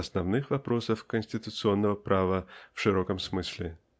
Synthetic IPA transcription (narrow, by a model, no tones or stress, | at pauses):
ɐsnavnɨxvapɾosəfkənʲsʲtʲɪt̪ʊt̪sɨonːəvɐpɾʔavɐfʂɨɾɔkɐmsmɨsʲlʲɪ